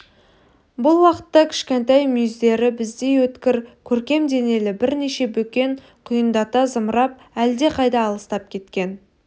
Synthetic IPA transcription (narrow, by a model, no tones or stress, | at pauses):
bʊlˠwɑqə̥t̪ːɑkʲʰɪ̥ʃkʲe̞nt̪ɑjmijzd̪e̞ɾɪbɪzd̪e̞wɵt̪kʲɪɾkʲʰɵɾkʲe̞md̪e̞ne̞lɪbɪɾneʃe̞bɵkʲe̞ɴ | qʰʊjənd̪ɑt̪ɑzəmɾɑp̚ | æld̪e̞qʰɑjd̪ɑːlˠəst̪ɑp̚kʲʰe̞t̪kʲe̞n